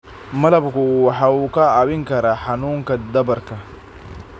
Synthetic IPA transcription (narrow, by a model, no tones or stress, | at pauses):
mɐlɐbkʊuːwɑħaːuːkʰɐaːβɪŋkʰɐɾaːħanuːŋkɐd̪ɐbɐrkʰɐ